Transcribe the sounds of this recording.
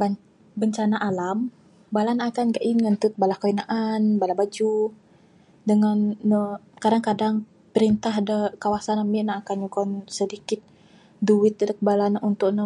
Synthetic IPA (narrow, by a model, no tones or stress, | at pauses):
ba | bəɲt͡ʃanaʔalam | balanaakanɡaʔinŋant̪ut̪̚balahkəinaʔanbalabad͡ʒu | dəŋanːə | kadaŋkadaŋ | pəɾint̪ahdəkawasanamiʔnaakanɲukɔnsədikɪt̪̚ | duwɪt̪̚dək̚əbalanəunt̪ʊʔnə